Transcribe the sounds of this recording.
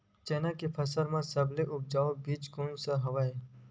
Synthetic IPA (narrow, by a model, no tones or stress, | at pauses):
t͡ʃeːnakepʰɐsəɾmãsɐbleʔʊb̚d͡ʒaːobiːt͡ʃkõːnsaɦɐʋaːe